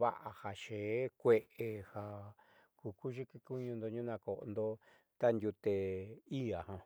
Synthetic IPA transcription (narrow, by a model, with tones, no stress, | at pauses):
βa̰˦ʔa˧ha˨ʃe˨˦kʷe˧ʔe˧ha˧˨ | ku˨ku˦ʒi˦ki˧ku˦ɲũ˧nd̪o˧ɲũ˦nã˧ko˨ʔo̰˧nd̪o˧ | t̪a˦nd̪ʲu˧t̪e˧i˦a˨hã˧